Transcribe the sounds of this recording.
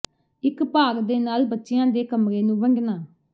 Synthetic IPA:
ɪkpaːɡd̪eːnaːlbətːʃɪjãːd̪eːkəmɾeːnũːʋəŋɡnaː

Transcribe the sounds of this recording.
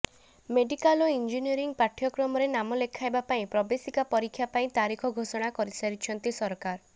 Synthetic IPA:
meɖikaloind͡ʒiniɔɾiŋpaʈʰjɔkɾɔmɔɾenamɔlekʰaebapaĩpɾɔbesikapɔɾikʰːjapaĩt̪aɾikʰɔɡʱosɔɽ̃akɔɾisaɾit͡ʃʰɔnt̪isɔɾkaɾ

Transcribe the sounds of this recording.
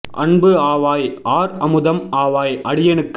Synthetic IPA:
ʔɐ̰ɳbɯaːʋaːjʔaːɾɐmɯðɐmaːʋaːjʔɐɽɪjɐnɯkː

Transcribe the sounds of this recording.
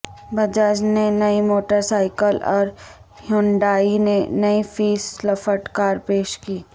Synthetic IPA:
bɐd͡ʒaːd͡ʒnenɐimoːʈəɾsaːɪkəlɔːɾ | hʊɳɖaːinenɐifiːslɐfəʈkaːɾpeːʃkiː

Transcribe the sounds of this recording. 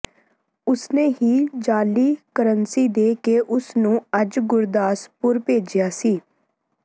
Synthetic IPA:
ʊsneːɦiːd͡ʒaːliːkəɾənsiːd̪eːkeːʔʊsnũːəd͡ʒɡʊɾd̪aːspʊɾpeːd͡ʒjaːsiː

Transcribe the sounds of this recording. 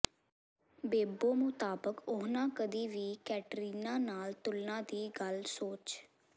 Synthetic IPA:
beːboːmʊt̪aːbəkʊɦnãːkəd̪iːʋiːkɛːʈɾiːnãːnaːlt̪ʊlnãːd̪iːɡəlsoːt͡ʃ

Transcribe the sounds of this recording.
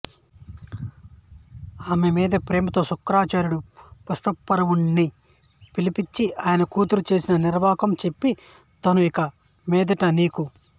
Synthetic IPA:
aːmemiːd̪ɐpɾeːmɐt̪o̞ːsukːɾaːt͡ʃaːɾjuɽupɐʂʈɐpːɐɾɐʋunːi | pilipit͡ʃːiaːjɐnɐkuːt̪uɾut͡ʃe̞ːsinɐniɾʋaːkɐmt͡ʃe̞pːi | t̪ɐnuikɐ | mɛːd̪ɐʈɐniːku

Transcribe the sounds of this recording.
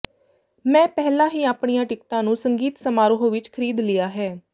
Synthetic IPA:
mɛ̃ːpɛːlãːɦiːaːpɳijãːʈɪkʈ̪ãːnũːsəŋɡiːt̪səmaːɾoɦõːʋɪt͡ʃkʰəɾiːd̪lɪjaːɦɛː

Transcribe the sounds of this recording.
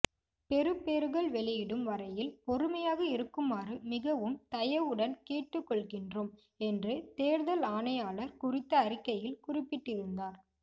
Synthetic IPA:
pɛɾɯpːeːɾɯɣɐɭʋɛɭɪjɪɽɯmʋɐɾɐjɪlpɔɾɯmɐjaːɣɐɪɾɯkːɯmaːrɯmɪɣɐʋɯmt̪ɐjɐʋɯɽɐnkeːʈːɯkːɔɭɣɪndroːm | ɛndrɯt̪eːɾðɐlaːɳɐjaːɭɐɾkʊrɪt̪ːɐːɾɪkːɐjɪlkʊrɪpːɪʈːɪɾɯnd̪aːɾ

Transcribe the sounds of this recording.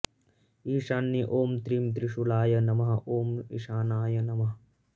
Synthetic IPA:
iːʂaːnːiʔoːmt̪ɾiːmt̪ɾiʂulaːjɐnɐmɐɦɐ̆ʔoːmḭʂaːnaːjɐnɐmɐɦɐ

